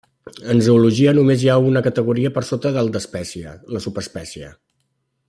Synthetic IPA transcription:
ənzəuluʒiənumezjaunəkət̪əɣuɾiəpəɾsot̪əðəlˠd̪əspɛsiə̰ləsupəspɛsiə̰

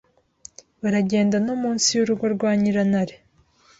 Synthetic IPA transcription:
βaɾaɟe̞ːndanomuːnsijuɾuɡwaɾɡwaːɲiɾanaɾe

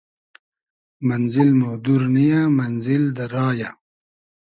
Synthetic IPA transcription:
manzɪlmad̪uɾnijamanzɪld̪aɾɑːja

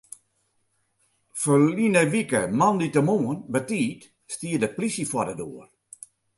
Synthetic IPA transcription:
fəlinəʋikəmanditəmoːənbətiːt | stiədəplisəfwɔdədoər

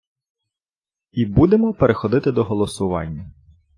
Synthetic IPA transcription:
ibud̪emɔpeɾexɔd̪ɪt̪ɪd̪ɔɦɔlˠɔsʊʋɑ̰nʲːɐ

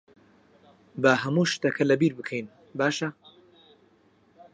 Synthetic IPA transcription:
bɐɦɐmuːʃt̪ɐkʰɐlɐbiːɾbɨkʰejn | baːʃɐ

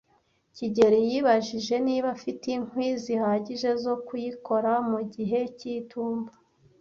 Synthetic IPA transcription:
ciɟe̞ɾejiβaʒiʒe̞niːβafitiŋwiːzihaːɟiʒe̞zo̞kujiko̞ɾamuɟiɦe̞cituːmbḁ

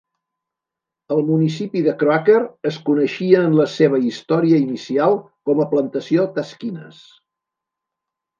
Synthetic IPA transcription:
əlˠmunisipiðəkɾoakəɾəskunəʃiəːnləseβ̞əist̪ɔɾiəinisialˠ | kɔməplənt̪əsiot̪əskinə̰s

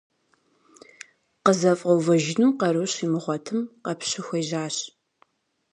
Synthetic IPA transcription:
qəzɐfʼɐwvɐʒɪnuːqɐɾɨwɕiːmɨʁʷɔtʰɨmqɐpɕɪxʷɐjʑaːɕ

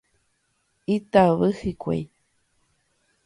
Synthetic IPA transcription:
it̪aβɨhikʷḛj

